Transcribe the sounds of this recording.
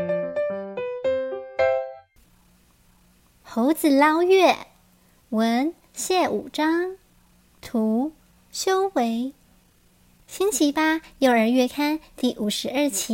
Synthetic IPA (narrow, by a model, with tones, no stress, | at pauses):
xo˧˥ʊt͡sɹ̩˨˩lɑ˥ʊɥɛ˥˩ | wə˧˥n | ɕjɛ˥˩ʔṵ˨˩ʈ͡ʂɑ˥ŋ | t̪ʰu˧˥ | ɕjo˥ʊwe˧˥ɪ | ɕi˥nt͡ɕʰi˧˥pa˥jo˥˧˩ʊə˞˧˥ɥɛ˥˧kʰa˥nt̪i˥˩ʔu˨˩ʂɻ̩˧˥ə˞˥˩t͡ɕʰi˧˥